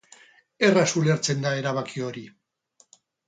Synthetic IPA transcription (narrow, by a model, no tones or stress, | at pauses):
e̞rasule̞ɾt͡se̞nd̪ae̞ɾaβ̞akio̞ɾi